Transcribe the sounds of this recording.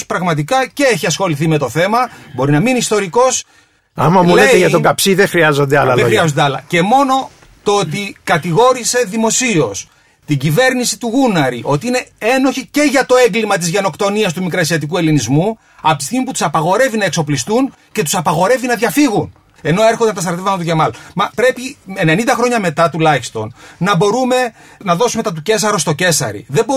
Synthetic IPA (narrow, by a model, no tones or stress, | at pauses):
spɾɐɣmɐt̪̬ikɐceeçiɐsxo̞liθime̞t̪o̞θe̞mɐbo̞ɾinɐminist̪o̞ɾiko̞s | ɐmɐmulet̪eʝɐt̪oɡɐpsiðexɾiɐzo̞nd̪eɐ̰lɐeoxɾiɐzond̪eɐlɐ̰ce̞mo̞no̞ | t̪oot̪ikɐt̪iɣo̞ɾise̞ðimo̞sio̞s | t̪iɟive̞ɾnisit̪uɣunɐɾiʔo̞t̪iine̞e̞no̞çice̞ʝɐt̪o̞e̞ŋɡlimɐt̪̬izʝeno̞kt̪o̞niɐst̪umikɾɐsiɐt̪̬ik̬ue̞linizmu | ɐpot̪ist̪iɣmiput̪u̥sɐpɐɣo̞ɾe̞vinɐe̞kso̞plist̪un | ce̞t̪u̥sɐpɐɣo̞ɾe̞vinɐðʝɐfiɣun | e̞no̞e̞ɾxo̞nd̪enɐt̪ɐst̪ɾt̪evɐmɐt̪uʝe̞mɐlmɐpɾe̞pienenind̪ɐxɾo̞ɲɐme̞t̪ɐt̪ulɐçist̪o̞nnɐbo̞ɾume̞ | nɐðo̞sumet̪ɐt̪uce̞s̬ɐɾost̪o̞ce̞sɐ̰ɾḭðe̞bo